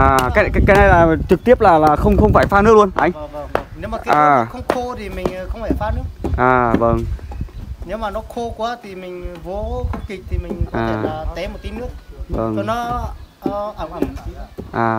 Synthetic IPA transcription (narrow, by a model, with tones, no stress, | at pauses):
ʔaː˨˩kaː˨˦a˦kaː˨˦na˧jlaː˨˩t͡ɕɨ˨˩k̚t̪i˦˥əp̚laː˨˩laː˨˩xə˧wŋ͡mxə˧wŋ͡mfaː˧˩jfaː˧nɨ˦˥klu˧ənʔa̰˧jŋ̟ne˨˦wmaː˨˩kːa˦aː˨˩˨xə˧wŋ͡mxʰo˧t̪ʰi˨˩mï˨˩ŋ̟˨˩xə˧wŋ͡mfaː˧˩jfaː˧nɨ˦˥ək̚ʔaː˨˩və˧˩ŋ | ne˨˦wmaː˨˩nɔ˨˦xʰo˧kwaː˨˦t̪ʰi˨˩mï˨˩ŋ̟vo˨˦kɔ˧˦ki˨˩k̚t̪ʰi˨˩mï˨˩ŋ̟˨aː˨˩˨aː˨˩t̪ɛ˨˦mo˨˩t̚ki˨˦nɨ˦˥ək̚və˧˩ŋo˨˧˦nɔ˨˦˧ | ʔaː˨˩